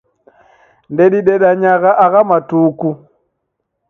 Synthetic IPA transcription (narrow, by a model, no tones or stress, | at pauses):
ndɛɗiɗɛɗaɲaɣaʔaɣamatuːku